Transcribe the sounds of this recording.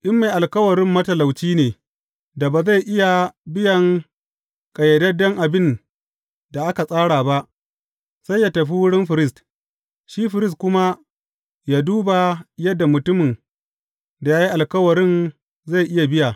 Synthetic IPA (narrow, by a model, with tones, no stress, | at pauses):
ʔɪ˦mːa˨jʔa˨lkɐ˦wɐ˨ɽɪ˦mːɐ˦tɐ˨la˨wt͡ʃiː˦neː˨ | da˨baː˨za˦˨jʔɪ˦ja˨bɪ˦jɐ˨ŋ | kʼɐ˨jɐ˨dɐ˦dɔ˦ŋʔa˨bɪ˦n | da˨ʔa˦ka˨sʼaː˦ɽaː˨ba˦ʔ | sa˦jːaː˦tɐ˨ɸ̬i˦wʊ˦ɽɪ˦mɸɪ˨ɾɪ˦st | ʃiː˦ɸɪ˨ɾɪ˦s̬tkʷʊ˦ma˦ | jaː˦duː˦ba˨jɐ˦dːa˨mʊ˨tʊ˦mɪ˨n | da˨jaː˦ji˦ʔa˨lkɐ˦wɐ˨ɾɪ˦n | za˦˨jʔɪ˦ja˨bɪ˦ja˨